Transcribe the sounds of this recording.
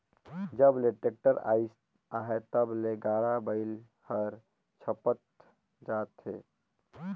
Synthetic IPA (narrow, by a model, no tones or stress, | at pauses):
d͡ʒəbleʈek̚ʈəɾa̰ːis | aɦet̪əbleɡaːɽabəɪl | həɾ | t͡ʃʰəpət̪ | d͡ʒaːt̪ɦe